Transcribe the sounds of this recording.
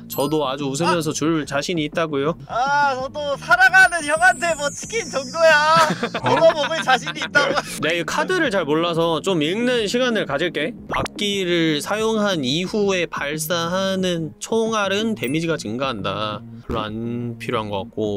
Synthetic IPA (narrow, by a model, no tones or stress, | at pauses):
t͡ɕʌdoad͡ʑuus̬ʰɯmjʌns̬ʰʌt͡ɕuɭt͡ɕaɕʰiɲiːt̚t͈aɡojoaʌdosʰaɾaɡanɯnçjʌŋantʰe̞mwʌt͡ɕʰɯ̥kʰint͡ɕʌŋdojaomʌmomɯt͡ɕaɕʰiɲiːt̚t͈aɡoonakʰadɯɾɯɭt͡ɕaɭmoɭːas̬ʰʌt͡ɕomiŋnɯnɕʰiɡanɯɭkad͡ʑiɭk͈e̞pak̚k͈iɾɯɭsʰajoŋɦaniɸue̞paɭs͈aɦanɯnt͡ɕʰoŋaɾɯnte̞mid͡ʑiɡat͡ɕɯŋɡaɦanda̰ | kɯɭːoa̰npʰiɾjoɦanɡʌk͈a̰k̚k͈o